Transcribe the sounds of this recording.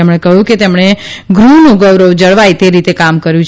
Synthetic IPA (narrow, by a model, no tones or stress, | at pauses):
emɽ̃ekəɦjũket̪emɳ̃e | ɡɾunũɡəʋɾəʋd͡ʒəɭʋajt̪eɾit̪ekamkəɾjũt͡ʃ